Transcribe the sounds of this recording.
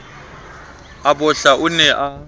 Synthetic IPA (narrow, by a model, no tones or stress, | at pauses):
abʊɬaʔʊnɛʔa